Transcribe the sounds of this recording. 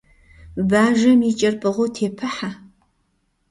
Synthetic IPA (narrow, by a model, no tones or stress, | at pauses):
baːʒɐmiːt͡ʃʼɐrpʼɨʁotʰeːpʰɨħa